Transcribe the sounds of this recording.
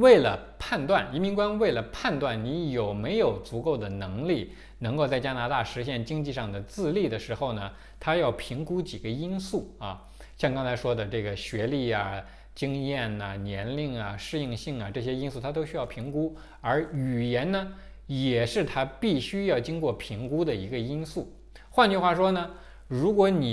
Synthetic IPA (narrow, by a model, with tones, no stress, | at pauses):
we˥˩ɪlə̰˩ | pʰa˥˧nt̪wa˥˩ni˧˥mi˧˥ŋkwa˥nwe˥˩ɪlə˩pʰa˥˧nt̪wa˥˩nni˧˥jo˨˩ʊme˧˥ɪjo˨˩ʊt͡su˧˥ko˥˩ʊd̪ə˩nɤ˧˥ŋli˥˩ | nɤ˧˥ŋko˥˧ʊt͡sa˥˩ɪt͡ɕja˥na˧˥t̪a˥˩ʂɻ̩˧˥ɕ̬jɛ˥˩nt͡ɕi˥ŋt͡ɕi˥˧ʂɑ˥˩ŋd̪ə˩t͡sɹ̩˥˧li˥˩d̪ə˩ʂɻ̩˧˥xo˥˩ʊnə˩ | t̪ʰa˥jɑ˥˩ʊpʰi˧˥ŋku˥t͡ɕi˨˩ɡə˦i˥nsu˥˩ɐ˧ | ɕjɑ˥˧ŋkɑ˥ŋt͡sʰa˧˥ɪʂwɔ˥d̪ə˨ʈ͡ʂɤ˥˩ɡə˩ɕɥɛ˧˥li˥˩ɐ˩ | t͡ɕi˥ŋjɛ˥˩nɐ˩njɛ˧˥nli˥˩ŋɐ˩ʂɻ̩˥˧i˥˧ŋɕi˥˩ŋɐ˩ʈ͡ʂɤ˥˩ɕ̬ɛ˥i˥nsu˥˩t̪ʰa˥t̪o˥ʊɕy˥jɑ˥˩ʊpʰi˧˥ŋku˥ | ə˞˧˥y˨˩jɛ˧˥nnə˧ | jɛ˨˩ʂɻ̩˥˩t̪ʰa˥pi˥˩ɕy˥jɑ˥˩ʊt͡ɕi˥ŋkwɔ˥˩pʰi˧˥ŋku˥d̪ə˨i˧˥ɡə˧i˥nsu˥˩ | xwa˥˧nt͡ɕy˥˧xwa˥˩ʂwɔ˥nə˨ | ɻu˧˥kwɔ˧˥ni˨˩